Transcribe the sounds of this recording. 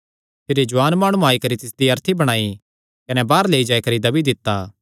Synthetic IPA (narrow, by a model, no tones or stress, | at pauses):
pʰeːɾed͡ʒʊʋaːnmaːɽ̃ũaːikɐɾit̪ɪsd̪iɐɾt̪ʰibɐɽ̃aːi | kɐnɛbaːɾleːid͡ʒaːikɐɾid̪ɐbid̪ɪt̪ːaː